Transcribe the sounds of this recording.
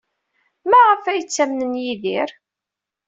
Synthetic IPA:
mæʁəfæjət͡sːæmnənjiðiɾ

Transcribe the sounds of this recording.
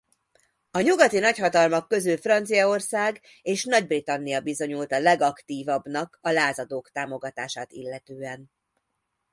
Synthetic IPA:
ɒɲuɡɒt̪inɒchɒt̪ɒlmɒkːø̞zylfrɒnt̪sijɒorsaːɡ | eːʃnɒɟbrit̪ɒnːijɒbizo̞ɲult̪ɒlɛɡɒkt̪iːvɒbnɒkɒlaːzɒd̪oːkt̪aːmo̞ɡɒt̪aːʃaːt̪ḭlːɛt̪øːɛn

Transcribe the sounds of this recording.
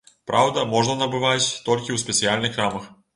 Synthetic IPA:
pɾʔawd̪ɐmɔʐnɐnɐbɨvatʲt̪ɔlʲkʲiwspʲɛt̪sɨalʲnɨxramɐx

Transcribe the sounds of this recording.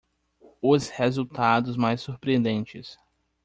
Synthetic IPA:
ʊshezuwt̪ad̪ʊzmajsːuɾpɾiẽnd̪ẽnt͡ʃɪs

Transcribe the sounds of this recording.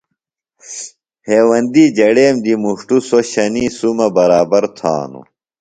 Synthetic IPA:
heːwɐnd̪id͡ʑɐɽeːmd̪imuʂʈusoɕɐniːsumɐbɐɾaːbɐɾt̪ʰa̰ːnṵ

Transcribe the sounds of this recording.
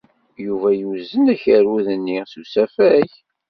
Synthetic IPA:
juvæjuzənæçəɾuðənːisusæfæç

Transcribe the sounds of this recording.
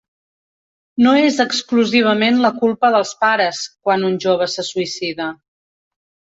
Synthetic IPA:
noezəkskluziβ̞əmenləkulˠpəðəlˠspaɾəskwanunʲʒoβ̞əsəsuisiðə

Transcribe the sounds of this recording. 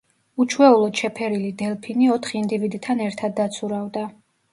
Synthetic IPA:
ut͡ʃʰwɛulˠɔd̪ʃɛpʰɛɾilid̪ɛlpʰiniɔt̪ʰχiind̪ivid̪it̪ʰanɛɾt̪ʰad̪ːat̪sʰuɾavd̪a

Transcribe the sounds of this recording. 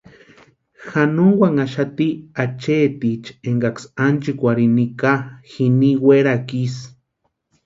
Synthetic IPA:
xanuŋwaŋaʃat̪iat͡ʃet̪it͡ʃeŋɡaksant͡ʃikʷaɾinikaxiniweɾakis

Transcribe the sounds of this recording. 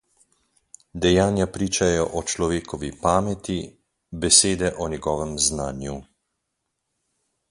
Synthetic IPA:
d̪ɛjaːnjapɾiːt͡ʃajɔʔɔt͡ʃlɔʋeːkɔʋipaːmɛt̪i | bɛseːd̪ɛʔɔnjɛɡɔːʋɛmznaːnju

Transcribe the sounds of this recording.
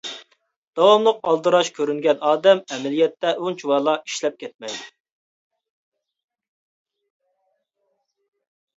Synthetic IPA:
d̪̥ɑwɑmlˠəq̚ɑlˠd̪ɨɾɑʃkʲʰøɾyŋɡʲɛnɑːd̪ɛmɛmɛlijɛt̪ːɛʔunt͡ʃʰiwɑlˠɑi̥ʃlɛp̚kʲʰɛt̪̚mɛjd̪u

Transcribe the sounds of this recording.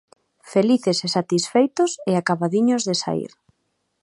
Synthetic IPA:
feliθesesat̪isfejt̪ʊseakaβaðiɲʊzðesa̰ḭɾ

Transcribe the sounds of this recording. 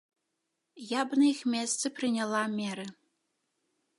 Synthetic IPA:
jɑbnɨixmʲest͡sɘ̆prinʲalˠɑmʲeɾɘ̆

